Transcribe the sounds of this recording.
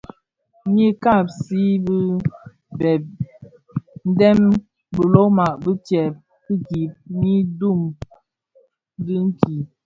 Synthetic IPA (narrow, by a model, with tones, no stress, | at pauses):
ɲi˦ka˦˨p̚si˨˦bi˦ | bɛ˨b̚ | n̩˦dɛ˦m | bə˨lo˦ma˨ʔbə˦tjɛ˨p̚ | ki˦ɡi˨p̚ɲi˦du˦˨m | di˦ŋ̩˦ki˨